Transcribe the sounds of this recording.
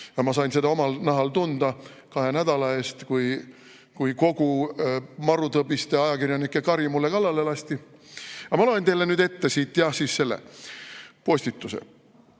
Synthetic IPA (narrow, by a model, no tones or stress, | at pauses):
jɑmɑsɑjnse̞ɑo̞mɑlnɑɦɑlt̪und̪̥ɑkɑɦe̞næd̪̥ɑlɑe̞ːst̪kuj | kujko̞ɡu | mɑɾut̪ɤbist̪eɑjɑkirjɑnikːˑe̞kɑɾimulːekɑlːɑle̞lɑst̪i | ɑmɑloent̪e̞jlːe̞nyːd̪e̞t̪ːe̞siːt̪jɑhsiːsːe̞lːḛ | po̞sʲt̪it̪ːˑusḛ